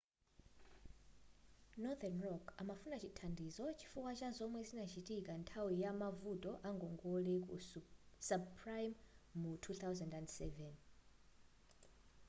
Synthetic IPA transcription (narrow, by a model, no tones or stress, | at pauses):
nɔðanrɔkʰamafunat͡ʃʰitʰandizɔt͡ʃʰi̥fukwat͡ʃazʷɔmwɛzinat͡ʃʰitʼikʼantʰawijamavutʼɔʔaŋɡɔŋɡolekʼṵsabpʰrajmmutʰuθawzandɛndsɛvɛn